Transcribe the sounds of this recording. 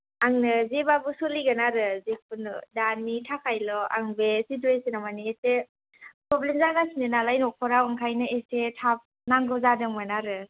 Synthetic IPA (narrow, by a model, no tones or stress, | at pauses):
aŋnɯzebabusoliɡanaɾɯzek̚ʰundanːitʰakʰajlɔʔa̰ŋbesit̬uesinamaniete | pɾɔblemzaɡasinɯnalajnɔkʰɔɾawɯŋkʰajnɯesetʰap̚ | naŋɡɔzadɯŋmanaɾɯ